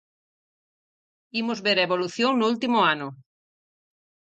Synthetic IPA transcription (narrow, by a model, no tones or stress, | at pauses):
imʊzβeɾaeβoluθjoŋnʊult̪imʊanʊ